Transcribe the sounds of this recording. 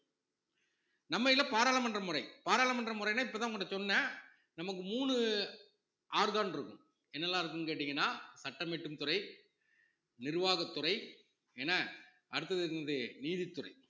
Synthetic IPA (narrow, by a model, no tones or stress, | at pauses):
nɐmːɐjɪlɐpaːɾaːlɐmɐndrɐmʊrɐɪpaːɾaːlɐmɐnɖrɐmʊɾɐɪnːaːɪpːɐːt̪aːŋkoːɳɖɐsɔnːɐ | nɐmɐk̬ːɯmuːɳɯ | ʔaːɾðaːnɪɾɯkːɯm | ɛnːɐlːãːɪɾɯk̬ːɯmkeːʈ̬ːɪŋɡɐnːaːsɐʈːɐmɛʈːɯmt̪ʊɾɐɪ | nɪɾɯʋaːɣɐt̪ːʊrɐɪ | ɛnɐ | ʔɐɽɯt̪ːɐðɯɾnɐðɯniːðɪt̪ːʊrɐ̰ɪ